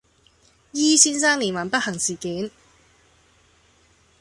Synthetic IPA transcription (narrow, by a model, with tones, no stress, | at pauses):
jiː˥siː˥nsaː˥ŋliː˨˩nwaː˨˩npɐ˥t̚hɐ˨˩ŋsiː˨˩kiː˨˥n